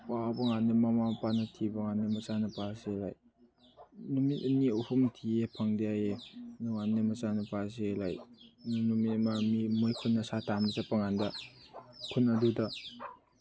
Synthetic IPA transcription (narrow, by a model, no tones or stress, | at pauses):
pwabaŋanːemamapanɐtʰibaŋanːemɐt͡ʃanɐpaselaj | numit̚ɐniuhumtʰiepʰaŋdijajenuŋanːemɐt͡ʃanɐpas̬elajnnumitmamimojkʰunːɐsatʰamizapaŋandɐ | kʰunːadudɐ